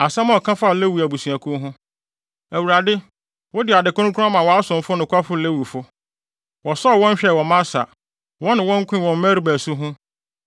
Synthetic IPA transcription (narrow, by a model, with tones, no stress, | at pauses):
a˨sã˦mã˦ɔ˨kʰã˦fa˦˨le˦wu˨æ˨bu˨sũ˨æ˨kʰʊ̃˦ɦʊ̃˦ | æ˨wu˨ɾa˨dɪ˦ | wɔ˦dɪ˨a˨dɪ˨kʊ̃˦nʊ̃˦kʰu˦a˦mã˨wɔ˨a˦sʊ̃˨m˦fʊ˦nʊ̃˨kʰʷa˦fʊ˦le˦wu˨fʊ˦ | wɔ˨sɔ˦˨wɔ̃˦ɲ̩˦ɕᶣɛ˦˨wɔ˨mã˦sa̰˨ | wɔ̃˦nɪ̃˨wɔ̃˦ŋ̩˦kʰʷʊ̃˦˨wɔ̃˨m˦mæ˦ɾi˦bæ˨su˦ɦʊ̃˦